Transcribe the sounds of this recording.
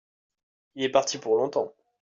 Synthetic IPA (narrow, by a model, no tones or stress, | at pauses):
ilɛpaʁt̪ipuʁlɔ̃t̪ɑ̃